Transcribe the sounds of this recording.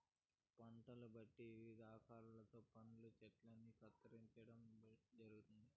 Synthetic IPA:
pɐɳʈɐlubɐʈːiʋid̪aːkʰaːlɐlɐt̪o̞ːpɐnulut͡ʃɛʈlɐnːikɐt̪ːɐɾiɲt͡ʃɐɽɐmd͡ʒɐɾuɡut̪und̪i

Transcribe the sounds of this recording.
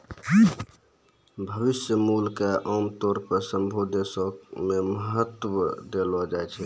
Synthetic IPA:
bʱəʋisjəmulkeʔamt̪oːɾpəɾsəmbʱod̪esɔkmeməɦət̪ːwəd̪elɔd͡ʒaet͡ʃʰɛ

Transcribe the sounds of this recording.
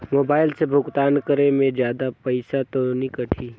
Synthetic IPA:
moːbaːɪlsebʱʊɡt̪aːnkəɾemẽd͡ʒjaːd̪apɐɪsat̪onikɐʈʰiː

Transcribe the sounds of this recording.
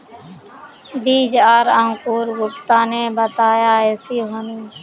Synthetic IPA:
biːd͡ʒaːɾãŋkuːɾɡʊpt̪aːneːbət̪aːjaːeːsiːɦonĩː

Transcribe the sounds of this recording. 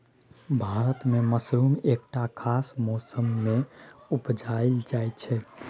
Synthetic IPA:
bʱaɾət̪meməsɾumeːk̚ʈakʰasmɔsəmːeupd͡ʒaeld͡ʒajt͡ʃʰɛ

